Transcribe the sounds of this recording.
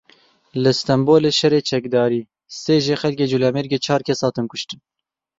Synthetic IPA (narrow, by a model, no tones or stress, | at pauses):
lɨst̪ɛmboːleːʃɛrɾeːt͡ʃʰɛkd̪ɑːɾiː | seːʒeːxɛlkeːd͡ʒulɛːmeɾɡeːt͡ʃʰɑːɾkʰɛsɑːt̪ɨmkʊʃt̪ɨn